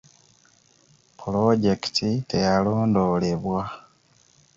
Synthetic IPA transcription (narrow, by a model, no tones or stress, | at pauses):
pulo̞ɟe̞ki̥tʰitejaloːndo̞le̞βwa